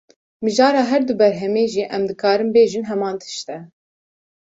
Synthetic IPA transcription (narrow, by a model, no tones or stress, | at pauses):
mɨʒɑːɾɑːɦɛɾd̪ubɛɾɦɛmeːʒiːʔɛmd̪ɨkʰɑːɾɨmbeːʒɨnɦɛmɑːnt̪ʰɨ̥ʃt̪ɛ